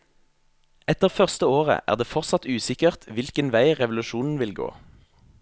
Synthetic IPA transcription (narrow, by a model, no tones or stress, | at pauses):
ɛt̪əʁfœʁst̪əoːʁə̰ʔæ̰ːʁd̪eːfɔʁtsɑt̪ʉːsɪkəʁt̪ʰʋɪlkənʋæɪʁɛʋlʉʃuːnn̩ʋɪlɡo̰ː